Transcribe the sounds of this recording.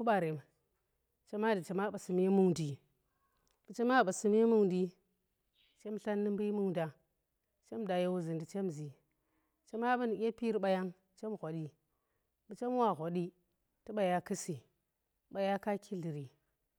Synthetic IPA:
ku˦ɓa˨ɾe˨m | t͡ʃe˦ma˦di˨t͡ʃe˦ma˦ɓa˨si˨m˦e˦mu˦ŋdi˨ | ɓə˨t͡ʃe˦ma˦˨a˨si˨m˦e˦mu˦ŋdi˦ | t͡ʃe˦mɬa˦nːɨ˦m˦bi˦mu˦ŋda˨ | t͡ʃe˦mda˨ja˦wu˦zi˨ndi˨t͡ʃe˦mzi˨ | t͡ʃe˦ma˦ɓu˦ni˨kʲe˦pi˦ɾi˦ɓa˨ja˦ŋ | t͡ʃe˦mɣʷo˨ɗi˦ | ɓə˨t͡ʃe˦mwa˦˨ɣʷo˨ɗi˦ | tu˦ɓa˨ja˦kɨ˦si˨˦ | ɓa˨ja˦ka˦kʰi˦ɮi˨ɾi˨

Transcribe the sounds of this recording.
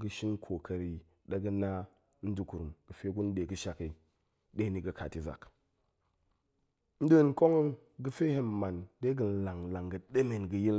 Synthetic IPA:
ɡɨ˨ʃi˦n˦kʰo˨kɐ˨ɾi˨ | ɗa˦ɡɨ˦na˦ | n̩˦du˨ku˨ɾu˨mɡ̥ɨ˨fe˦ɡu˦n˦de˨ɡɨ˦ʃa˨ki˨ | ɗe˦ni˨ɡɨ˨kʰa̰˨ti˨za̰˨k | n̩˦du˦˨n˦ko˦ŋə˦n | ɡɨ˦fe˦he˦m˨ma˨nde˦ɡɨ˨n̩˦la˨ŋla˨ŋɡɨ˨ɗe˦me˨nɡɨ˨ji˦l

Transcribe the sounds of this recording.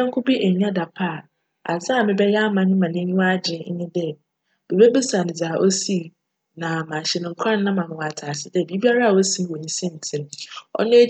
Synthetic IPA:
ã˦ŋ̩˦kʰʊ˦bi˦ʔe˨ɲ˦ã˦da˨pʰa˦a˨ | a̰˨zã˦˨mɪ̃˦bɛ˦ja˦mã˨nɪ̃˦mã˨nɪ̃˦ɲũ˦a˦d͡ʑɪ̃˨˦ɲɪ̃˦dɛ˦ | b̥e˨be˦bɪ˦sa˨nɪ̃˨d͡zaː˨ʔo˦si˦˨ | nã˨mã˨ɕɛ˨nʊ̃˨ŋ̩˨kʰã˦n˦nã˦mã˨m˨wɔ˨a˨tʰaː˨sɪ˦dɛ˦˨bi˨˦bi˦a˦ɾa˦a˨o˦si˦m˦wo˨nĩ˦sɪ̃˦n̩˨tʰɪ̃˨m˦ɔ̰˦nẽ˦

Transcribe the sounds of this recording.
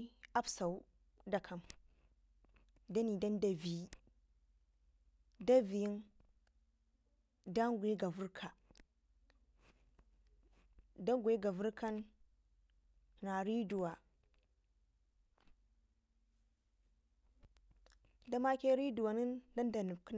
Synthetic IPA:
ʔa˦bsa˨u˦ | da˨kʰɐ˨m | da˦ni˨dɐ˦nda˨vi˨˦ | da˦vi˨ji˦n | da˦ŋɡʷu˨e˦ɡa˨vu˦ɾkʰa˨ | da˦ŋɡʷu˨i˦ɡa˨vu˦ɾkʰa˦n | na˨ɾi˦du˨wa˨ | da˦ma˦ke˦ɾi˦du˨wa˨ni˦nda˦nda˨nu˨b̚kn

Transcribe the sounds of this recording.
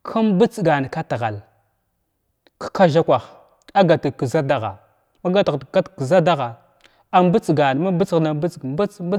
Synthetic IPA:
kʰa˦mbə˦t͡sɡa˨n˨ka˦ta˨ɣa̰˨l | kḁ˦ka˦ʒa˦kʷa˨x | a˦ɡa˨ta˨kə˨za˦da˦ɣa̰˨ | ma˦ɡa˦ta˨ka˦tkə˨za˦da˦ɣa˨ | a˨mbə˦t͡sɡa˨n˨ma˦bə˦t͡sɣna˨bə˦t͡sɡmba˦t͡sb

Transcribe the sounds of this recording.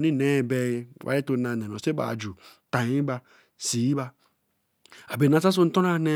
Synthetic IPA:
ni˦ne˦˨be˦jwʔa̰˨ɾe˦to˨˦na˨ne˨no˨se˦ba̰˨d͡ʒu˨ta˨ji˦ba˦ | si˨ji˦ba˦ | a˨be˨na˨sa˦s̬o˦n̩˦to˦na˦ne˦

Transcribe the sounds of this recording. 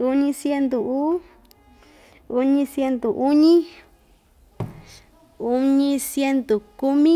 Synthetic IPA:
u˧˦ɲĩ˧sje˧nd̪u˨ʔu˦ | u˧ɲĩ˧sje˧nt̪o˨ʔu˦ɲĩ˦ | u˧ɲĩ˧sje˦˧nt̪o˨ku˧mĩ˦

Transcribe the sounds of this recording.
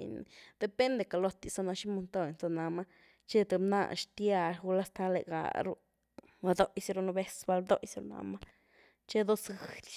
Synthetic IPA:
ni˨d̪̥e˧pe˦nd̪e˨ka˨lo˧t̪i˨sa˧na˧ʃi˦mo˧nt̪o˦˨jt͡sa˧na˨ma˦ | t͡ʃe˦t̪e˨na̰˦˧˨ʃt̪ja˧˨ʃɡu˧la˦st̪a˧˦lḛ˨ɡa̰˨ɾu˦ | a˧d̪o˦jsɾu˧no˧be˦sba˧ld̪o̰˦jsɾu˧na̰˧ma˦ | t͡ʃe˦d̪o˦sɡɨ˨lʲ

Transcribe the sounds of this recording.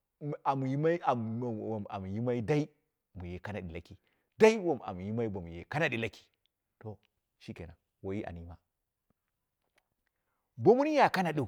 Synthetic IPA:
a˨mu˨ji˦ma˦i˦a˨wo˨m˨a̰˨mu˨ji˦ma˦i˦da˦i˦ | mu˨je˨ka˦na˨ɗi˨la˦ki˨ | da˦i˦wo˨m˨a̰˨mu˨ji˦ma˦i˦bo˨mu˨jḛ˨ka˦na˨ɗi˨la˦ki̥˨ | to˨ | ʃi˦kḛ˨na̰˨ | wo˨ji˦ʔa̰˨ni˦ma˦ | bo˦mu˦ni˦ja˨ka˦na˨ɗu˨

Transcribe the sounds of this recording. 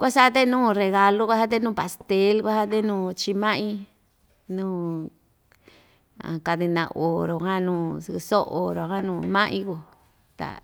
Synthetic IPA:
kʷa˦sa˦t̪̬e˦nũː˦˨re˨ɣa˧lo˦kʷa˦sa˦t̪̬e˦nũː˦˨pa˨st̪e˧˦lkʷa˦sa˦t̪̬e˦nũː˦˨t͡ʃi˧mã˦ʔĩ˦ | nũː˦ | ã̰˨ka˧t̪i˧nã̰˧˨˧ʔo˨ɾo˨hã˦nũː˦sso˦o˨ɾo˨hã˦nũː˧˨mã˦ʔĩ˦ko˧˨ | t̪a̰˨

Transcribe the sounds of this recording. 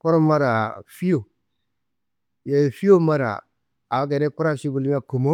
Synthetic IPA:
ku˦ɾo˦ma˦ɾa˨fi˦jo˨ | je˨fi˦jo˦ma˦ɾa̰˨ | a˨˦ɡe˨ɾe˦ku˦ɾa˦˨ʃi˦ɡu˨lm˦a˨ko˨mo˦

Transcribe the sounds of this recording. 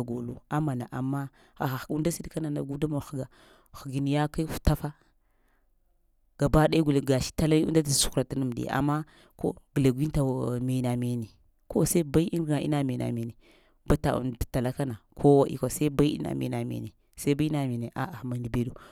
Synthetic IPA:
ɡo˨lu˦a˦ma˨na˨ʔa˨mːa˦ | a˨xa˨u˦nda˦si˦dka˦na˨na̰˨ɡu˦da˦ma˨xɡa˨ | xu˨ɡi˨ni˨ja˦ka˦fu̥˨ta˦fa˦ | ɡ̥a˨ba˦ɗa˦i˦ɡu˨lɡa˨ʃi̥˦ta˦la˦ṵ˦da˦ta˨su̥˦ku˦ɾa˨ti˦nu˦˨m˨dḭ˨a̰˨mːa˦ | ko̰˦ɡi˨la˨ɡʷi˦ta˨me˨na˨me˨ne˨ | ko˦sa˦ba˦i˦ʔi˦˨na˨ḭ˦na˨me˨na̰˨me˨ne˨ | ba˦ta̰˨ṵ˨nda˨ta˨la˦ka˦na˨kʰo˦wa˦ʔḭ˦kʷa˨sa˦i˦ba˦i˦ḭ˦na̰˨mḛ˨na˨mḛ˨ne˨ | sa˦ba˦i˦na˨me˨ne˨ʔa̰˦˨ma˨ndi˨be˦du˦

